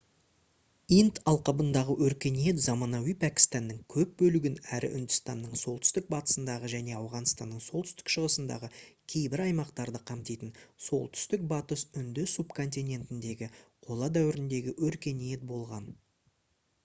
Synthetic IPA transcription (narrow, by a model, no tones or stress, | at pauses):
int̪ɑlˠqɑbənd̪ɑʁəwɵɾkʲe̞nije̞t̪zɑmɑnɑwijpʰækʲi̥st̪ɑnːəŋkʲʰɵp̚bɵlɪɡʲɪnæɾɪ̰ʔʏnd̪ʏst̪ɑnːəɴso̞lˠt̪ʰʏ̥st̪ɪk̚bɑt̪ə̥sənd̪ɑʁəʒæne̞ɑwʁɑnst̪ɑnːəɴsolˠt̪ʰʏst̪ɪ̥kʃəʁəsənd̪ɑ̰ʁəkʲʰe̞jbɪɾɑjmɑqt̪ɑɾd̪əqʰɑmt̪ijt̪ənso̞̰lˠt̪ʰʏ̥st̪ɪk̚bɑt̪əsʏnd̪ɪsupkʰo̞nt̪̬ʲinʲe̞nt̪ɪnd̪e̞ɡʲɪqʰo̞lˠɑd̪æwɪɾɪnd̪e̞ɡʲɪwɵɾkʲe̞nije̞t̪̚bo̞lˠʁɑn